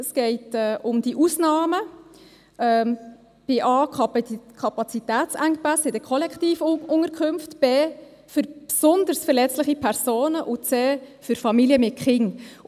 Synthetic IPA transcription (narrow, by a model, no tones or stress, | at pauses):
ɛsɡ̥ɛɪtɛːʔʊmd̥iʔusnɑːmə | ʔɛ | b̥ɪʔɑːkʰkʰɑpɑt͡sitɛːt͡sæŋpasɪd̥əkʰɔlɛktiːfʊŋəɾkʰʏmftb̥eː | fʏɾpsʊndəɾsfəɾlɛt͡slɪχipʰɛɾsoːnəʔʊt͡seːfʏɾfɑmiljəmɪt̚kχɪŋ